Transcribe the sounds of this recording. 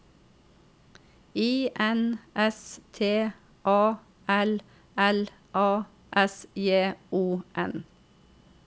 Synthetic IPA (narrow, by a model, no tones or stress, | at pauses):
iːʔɛnʔɛst̪ʰeː | ʔɑː | ɛl | ɛl | ʔɑː | ʔɛsjeːʔuːʔɛn